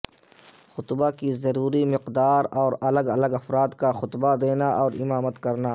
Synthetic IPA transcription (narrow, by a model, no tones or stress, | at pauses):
xʊt̪bakizɐɾuːɾimɪqd̪aːɾɔːɾɐləɡɐləɡɐfɾaːd̪kaxʊt̪bad̪eːnaʔɔːɾɪmaːmət̪kɐɾnaː